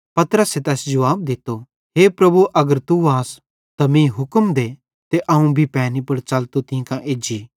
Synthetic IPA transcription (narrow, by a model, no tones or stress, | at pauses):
pɐt̪ɾəset̪ɛːsd͡ʒɐʋaːb̚d̪ɪt̪ːo | ɦeːpɾɐbuʔɐɡəɾt̪uaːs | t̪ɐmĩɦʊkmd̪e | t̪eʔɐũbʱipɛːnipɐɽt͡ʃɐlt̪ot̪ɪ̃kãʔeːd͡ʒiː